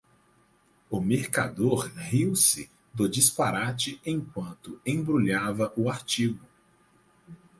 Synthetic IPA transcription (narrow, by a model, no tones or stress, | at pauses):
ʊmeɾka̰d̪oɾhiwsɪ | d̪ʊd͡ʒispaɾat͡ʃɪẽj̃kwɐ̃nt̪ʊẽbɾuʎavɐʔʊaɾt͡ʃiɡʊ